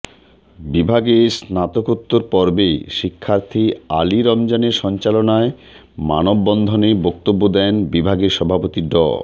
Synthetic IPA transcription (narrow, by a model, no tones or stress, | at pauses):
bibʱaɡesnat̪okut̪ːoɾpɔɾbeʃikʰːaɾt̪ʰia̰liɾɔmd͡ʑaneɾʃɔnt͡ɕalonae | ma̰nobːɔnd̪ʱonebɔk̚t̪obːod̪ɛnbibʱaɡeɾʃɔbʱapot̪iɖɔ̰